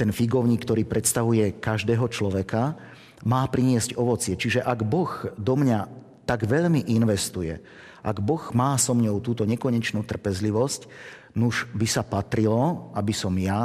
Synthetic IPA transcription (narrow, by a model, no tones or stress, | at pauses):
t̪ɛnfiɡɔʊɲiːkːt̪ɔɾiːpɾɛt̪st̪aʋujɛkaʒd̪ɛːɦɔt͡ʃlɔʋɛka | maːpɾiɲɪɛzcɔʋɔt͡sɪɛt͡ʃiʒɛʔaɡbɔɣd̪ɔmɲa | t̪aɡʋɛʎmiʔinʋɛst̪ujɛ̰ | ʔaɡbɔɣmaːsɔmɲɔʊt̪uːt̪ɔɲɛkɔɲɛt͡ʃnuːt̪r̩pɛzliʋɔsc | nuʒbisapat̪ɾilɔabisɔmja